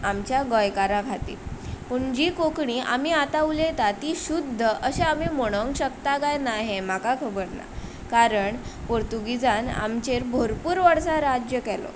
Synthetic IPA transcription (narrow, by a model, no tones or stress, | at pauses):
amt͡ɕjaɡɔjkaɾaɡʱat̪ḭːlpuɳd͡ʑiːkokɳiʔa̰m̤iat̪aʋulet̪at̪iːɕud̪ʱːəʔəɕeam̤imoɽ̃əŋkɕəkt̪akajnaɦemakakʰəbəɾna̰ | kaɾəɳpoɾt̪uɡid͡zana̰mt͡ɕeɾbʱoɾpuːɾʋaɽsaɾad͡ʑjəkɛlo̰